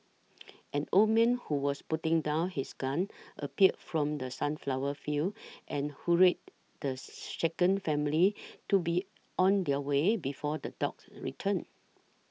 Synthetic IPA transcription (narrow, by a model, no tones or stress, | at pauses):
ʔɛ̃nomɛ̃nhuwɔsputɪ̃ŋdãʊnhisɡãnʔə̰piət̚fɹɔ̃mdəsãnflawəfilʔɛ̃nhuɹet̚ | d̥əʃekə̃nfɛ̃mlitubi | ɔ̃ndɛəwebifɔdədɔk̚sɹḭtʰə̃n